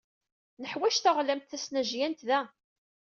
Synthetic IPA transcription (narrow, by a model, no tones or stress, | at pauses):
nəħwæʃθaʁlæmt̪θæsnæʒjænt̪ðæ